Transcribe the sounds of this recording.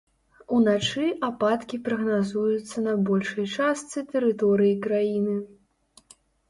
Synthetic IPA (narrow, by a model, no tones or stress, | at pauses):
unat͡ʂɨʔapat̪kʲipɾɐɣnazujut̪sːɐnɐbɔlʲʂɐjt͡ʂast̪sɨt̪ɛɾɨt̪ɔɾɨjikɾajinɨ